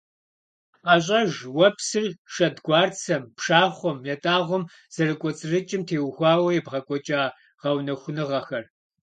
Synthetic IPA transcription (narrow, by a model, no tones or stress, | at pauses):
qɐɕ̬ʼɐʒwɐpʰsɨrʃɐdɡʷɑːrt͡sʰɐmpʰʂaːχʷɔmjɛtʼaːʁʷɔm | z̥ɐrɨkʷʼɔt͡sʼɨrɨt͡ʃʼɪmtʰeːwxʷɑːwɐjɛbʁɐkʷʼɔt͡ʃʼaː | ʁ̥ɐwnɐxʷʊnɨʁɐxɐr